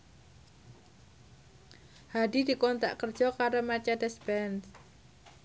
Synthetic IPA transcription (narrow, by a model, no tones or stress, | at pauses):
hadidi̤kɔnt̪a̰ʔkərd͡ʒɔkaɾomat͡ʃadɛsbɛns